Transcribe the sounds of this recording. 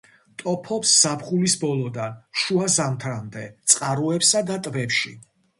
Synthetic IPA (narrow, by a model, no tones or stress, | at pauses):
t̪ʼɔpʰɔpsːapʰχulisbɔlˠɔd̪anʃuazamt̪ʰɾamd̪ɛt̪sʼqʼaɾuɛpsad̪at̪ʼvɛpʃḭ